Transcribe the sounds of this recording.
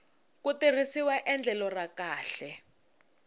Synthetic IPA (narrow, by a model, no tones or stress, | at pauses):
kutir̤isiwaʔɛnd͡ɮʱɛlɔrakaːɬɛ